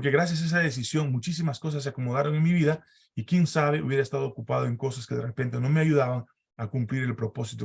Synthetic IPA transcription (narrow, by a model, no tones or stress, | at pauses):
oɾke̞ɣɾas̬jas̬aes̬aðe̞s̬isjo̞ŋmut͡ʃis̬imasko̞s̬as̬ːeako̞mo̞ðaɾo̞ŋenmiβiða | ikje̞nsaβ̞e̞ṵβje̞ɾaest̪aðo̞ːkupað̞o̞eŋko̞saske̞ðerepe̞nt̪e̞no̞meaʝuðaβaŋ | akumpliɾe̞lpɾo̞po̞sit̪o